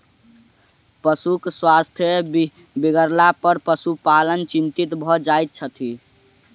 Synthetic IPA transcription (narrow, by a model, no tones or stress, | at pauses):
pəsukswast̪ʰjə | biɡəɾlapəɾpəsupalənt͡ʃint̪it̪bʱɔd͡ʒajt̪̚t͡ʃʰət̪ʰi